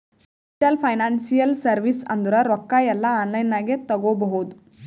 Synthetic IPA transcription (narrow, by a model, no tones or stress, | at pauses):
ʈɐlpʰɐjnaːnsijɐlsɐɾʋisɐ̰nd̪uɾɐɾɔkːaːjɛlːɐaːnlɐjnaːɡet̪ɐɡoːbɐɦud̪u